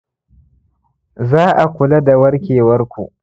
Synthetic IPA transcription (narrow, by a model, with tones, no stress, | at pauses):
zaː˦ʔa˨kʷʊ˨lɐ˦da˨wɐ˦ɽkʲeː˨wɐ˦rkʷṵ˨ʔ